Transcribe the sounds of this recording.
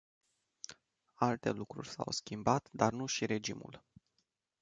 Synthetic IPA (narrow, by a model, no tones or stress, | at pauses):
alt̪e̞lukɾurʲsa̰wskʲimbat̪d̪arnuʃiɾe̞d͡ʒimṵl